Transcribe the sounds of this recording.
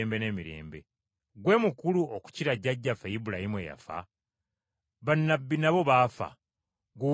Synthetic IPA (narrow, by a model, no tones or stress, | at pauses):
mbe̞ne̞ːmiɾe̞̰ːmbe | ɡwe̞ːmukuluoku̥ciɾaɟːaɟːafejibulahimwḛja̰fa̰ | βanːabːinaβo̞βaːfa̰ | ɡu